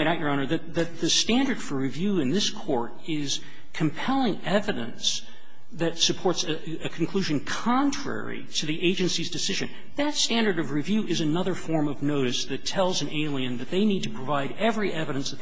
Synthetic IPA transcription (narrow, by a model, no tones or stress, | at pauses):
ɪ̃ɾaʊt͡ʃə˞ɑnə˞ðɨt̪̚ðɨt̪̚ðɨstæ̃ndə˞d̥fə˞ɹivjʉɨ̃nðɪskʰɔɹɾ | ɪz̥ | kʰɨ̃mpʰɛlˠɪ̃ŋɛvɨɾɨ̰̃ns | ðɨtsɨpʰɔɹts | ɨkʰn̩kʰl̥ʉʒɨ̃nkʰɑ̃ntʰɹ̥ɛ̰ɹḭɾɨðiʔeɪd͡ʒɨ̃nsizdɨsɪʒɨ̰̃n | ðɨtstæ̃ndə˞ɾʌvɹivjʉʔɨzɨnʌðə˞fɔɹmʌvnoʊɾɨsðɨtʰɛlˠzɨ̃nʔeɪlˠiɨ̃nðɨt̪̚ðeɪnid̚tʰɨpʰɹ̥ɨvaɪɾɛvɹiʔɛvɨɾɨ̃nsɨ